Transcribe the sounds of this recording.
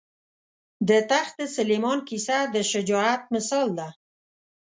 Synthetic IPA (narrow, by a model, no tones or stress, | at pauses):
d̪ət̪axd̪əsəlemɑnkisad̪əʃəd͡ʒɑat̪̚mɪsɑld̪a